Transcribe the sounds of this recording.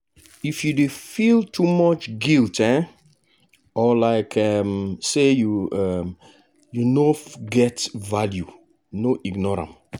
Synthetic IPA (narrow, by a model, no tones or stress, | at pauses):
ifjudefiltʰumɔt͡ʃɡiltɛ̃ | ɔlaɪkʰɛmsejuɛm | junoɡɛtvalju | noʔiɡnɔɹã̰m